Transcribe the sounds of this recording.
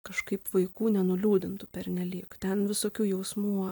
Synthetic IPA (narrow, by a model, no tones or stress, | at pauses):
kɐʃkɐɪpʋɐɪkuːnʲɛnʊlʲuːd̪ʲɪnt̪ʊpʲɛɾʲnʲɛlʲiːkt̪ʲɛnʋʲɪsoːkʲuːjɛʊsmuː